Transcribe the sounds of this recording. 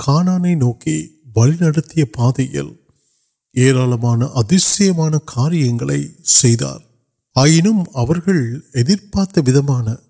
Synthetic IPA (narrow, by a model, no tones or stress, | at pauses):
kʰaːnaːnɐɪnoːki | ʋɐlɪnɐɽɐt̪ːɪjɐpaːðɐjɐ̰l | eːɾaːlɐmaːnɐʔɐðɪsɐjɐmaːnɐkʰaːɾɪjɐŋɡɐɭɐ̰ɪsɛjða̰ːɾ | aːjɪnɯmɐʋɐɾɣɐɭɛðɪɾpaːɾt̪ːɐʋɪðɐmaːnɐ